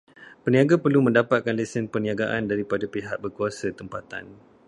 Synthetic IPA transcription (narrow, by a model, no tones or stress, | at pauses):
pəniaɡapərlumə̃ndapat̪̚kanlɛsənpəniaɡaʔandaɾipadapiɦaʔ̚bərkuasat̪əmpat̪a̰n